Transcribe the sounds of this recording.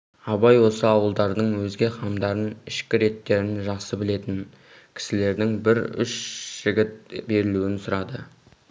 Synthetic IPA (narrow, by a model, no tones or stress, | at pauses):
ɑbɑjwo̞səɑwəlˠd̪ɑɾd̪əɴwɵzɡʲe̞χɑmd̪ɑɾənɪʃkʲɪɾe̞t̪ːe̞ɾɪnʒɑqsəbɪle̞t̪ɪn | kʲʰɪ̥sɪle̞ɾd̪ɪŋbɪɾʏ̰ʃʒ̥ɪɡʲɪt̪̚be̞ɾɪluwɪnsʊɾɑd̪ə